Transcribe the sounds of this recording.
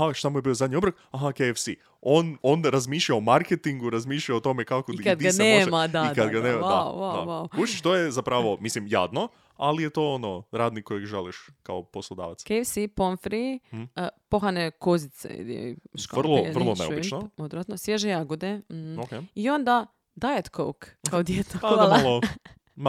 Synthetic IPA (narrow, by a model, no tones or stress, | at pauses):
haʃt̪amujebio̞zad̪ʲɲiobɾok | aɦakefsi | ononaɾazmiːʃlʎaomaɾket̪iŋɡuɾazmiːʃʎaot̪o̞mekakot̪id̪ianemadd̪aikad̪ɡaneːmad̪ao̰ʋad̪aʋaukuʃit͡ʃt̪ojezapɾaʋo̞mislimja̰ːd̪no | alijet̪o̞ːonoɾaːd̪nikːojeɡʒaliʃkaoposlˠod̪a̰ːʋat̪skejfsiponfɾi | poxanekozit̪sḛd̪ḛʃka̰vr̩lˠor̩lˠoneo̰bit͡ʃnood̪ɾat̪nosjeʒejaɡod̪eokeio̞nd̪a | d̪ajet̪ko̰wkkːaod̪jet̪oaalˠo